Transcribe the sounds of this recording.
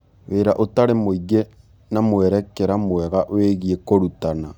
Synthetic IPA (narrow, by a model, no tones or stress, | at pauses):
weːɾaʔotaɾemoiɣe | namwɛɾɛkeɾamwɛɣaʔweɣiekoɾutana